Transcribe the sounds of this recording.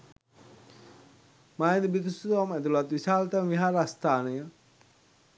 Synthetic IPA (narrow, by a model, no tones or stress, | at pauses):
maːd̪ibit̪usut̪ʋamɛd̪ulat̪ʋisaːlt̪əmʋiɦaːɾəast̪aːnəjə